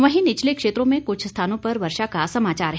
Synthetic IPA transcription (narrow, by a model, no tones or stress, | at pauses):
ʋɐɦĩnɪt͡ʃʰlekʂeːt̪ɾõmẽkʊt͡ʃʰst̪ʰaːnõpɐɾʋɐɾʃakasɐmaːt͡ʃaːɾɦ